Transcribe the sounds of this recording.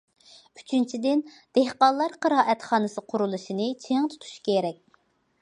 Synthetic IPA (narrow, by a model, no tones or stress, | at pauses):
yt͡ʃʰynt͡ʃʰid̪ɪn | d̪̥ehqɑlˠːɑɾqəɾɑːʔɛt̪χɑːnɨsɨqʰʊɾulˠuʃinɨt͡ʃʰeŋt̪ʰu̥t̪ʰu̥ʃkʲʰeɾɛk̚ʲ